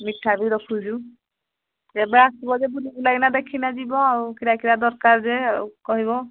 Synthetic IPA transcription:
miʈʰːabiɾɔkʰud͡ʒu | ebeasibɔd͡ʒebulibulaɡinad̪ekʰinad͡ʒibɔawkiɾakiɾad̪ɔɾkaɾzekɔɦiβɔ

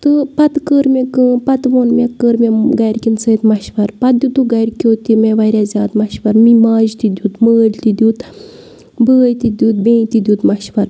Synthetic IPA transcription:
t̪ɨpɐt̪kəːɾmʲekɨpɐt̪ʋoːnmʲekːəːɾmʲeɡɐjɾkʲint͡sət̪mɐʃʋɐɾpɐt̪̚d̪ut̪uɡɐjɾkʲoːt̪ːimeʋɐjɾʲazʲaːd̪mɐʃʋɐɾmimaːd͡ʒt̪id̪ʲuːt̪məːd͡ʒt̪id̪ʲuːt̪ | bəːjt̪id̪ʲuːt̪̚bẽːt̪id̪ʲuːt̪mɐʃʋɐɾ

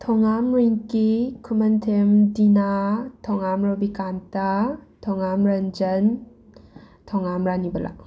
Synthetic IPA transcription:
tʰɔŋamɾiŋkikʰumɐntʰemdinatʰɔŋamɾɔbikantatʰɔŋamɾand͡ʒɐn | tʰɔŋamɾanibɐlʔa̰

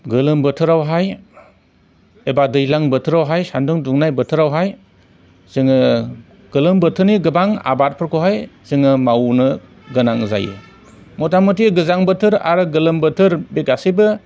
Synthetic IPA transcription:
ɡɯlɯmbɯtʰɯɾawɦaj | ebadɯjlaŋbɯtʰɯɾawɦajsandɯŋduŋnajbɯtʰɯɾawɦaj | z̥ɯŋɯ | ɡ̥ɯlɯmbɯtʰɯɾniɡɯbaŋa̰bat̚pʰɯɾkʰoɦajz̥ɯŋɯmawnɯ | ɡɯnaŋza̰jɯ̰ | mɔtamotiɡɯzaŋbɯtʰɯɾa̰ɾɯɡɯlɯmbətʰɯɾbekasibɯ

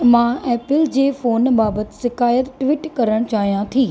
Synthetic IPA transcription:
mãɛːpɪld͡ʑeːfoːnbaːbət̪ɪ̥sɪkaːjət̪ʈʋiːʈkɐɾəɽ̃t͡ɕaːɦijãt̪ʰiː

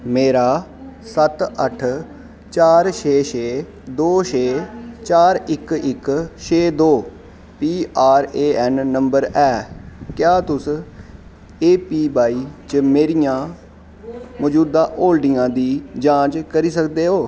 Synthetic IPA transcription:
meːɾaːsət̪əʈʰ | t͡ʃaːɾʃʰeːʃʰeː | d̪oːʃʰeːt͡ʃaːɾɪkɪkʃeːd̪oː | piːaːɾeːʔɛːnːəmbəɾɛːkjaːt̪ʊs | eːpiːbaːiːt͡ʃəmeːɾijãː | mɔd͡ʒuːd̪ãːʔoːlɖɪjãːd̪iːd͡ʒãːt͡ʃkəɾiːsəkd̪eːɦoː

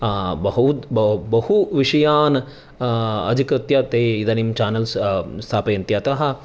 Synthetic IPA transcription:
bɐɦ̪bbɐhuʋiʂɐjaːn | ɐ̰d̪ʱikɾɐt̪jɐt̪eːid̪ɐnimt͡ʃaːnɐlsst̪ʰaːpɐjɐnt̪jɐt̪ɐɦɐ̆

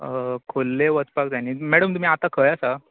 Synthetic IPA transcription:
kʰolːeʋət͡spak̚d͡zaniːmɛɽəmt̪um̤iːat̪akʰəjasa

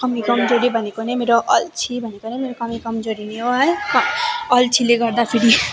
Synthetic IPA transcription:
kʌmikʌmd͡ʒoɾibʱʌnekonemeɾoʔʌlt͡ʃʰibʱʌnekonemeɾokʌmikʌmd͡ʒoɾineɦoɦʌjkʌlt͡ʃʰileɡʌɾd̪apʰiɽi

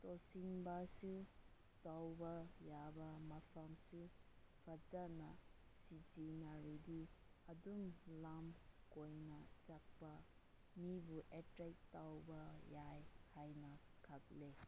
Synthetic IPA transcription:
tosiŋbasu | tawbɐjabɐmapʰamsupʰat͡ʃanɐ | sid͡ʒinaɾidiɐdumlamkojnɐt͡ʃak̚pɐ | mibuʔetɾek̚tawbɐjajhajnɐkʰak̚le

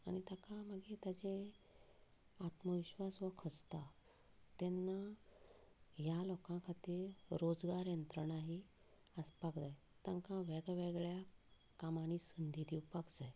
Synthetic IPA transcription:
a̰ɽ̃it̪akaməɡet̪jad͡ʑe | at̪məʋiɕʋasʋəkʰəst̪a | t̪ɛnːa | ɦjalɔkãkʰat̪iːɾɾod͡zɡaɾjənt̪ɾəɳaɦi | əspakd͡zaj | t̪ãŋkãʋɛɡʋɛɡɭja | kamañisənd̪ʱid̪iwpakd͡zaj

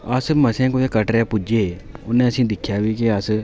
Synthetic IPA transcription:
əsməsẽːkoekəʈɾɛːpʊd͡ʒeːʊnːẽːəsĩːd̪ɪkʰːjaːbiːkɪəs

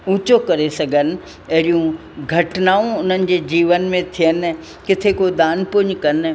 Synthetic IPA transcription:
ũːt͡ɕokɐɾesɐɡʱənɪ̆ | ɐɦɪɾijũ | ɡʱɐʈnaːũʊn̤ənɪ̆d͡ʑeːd͡ʑiːʋənmẽt̪ʰijən | kɪt̪ʰekod̪aːnpʊɪɲkɐn

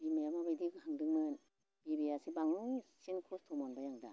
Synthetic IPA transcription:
bimɛmabadiːkɔhaŋdɯŋmɯn | biɾiasibaŋsinkʰust̪ʰumɔnbajaŋda

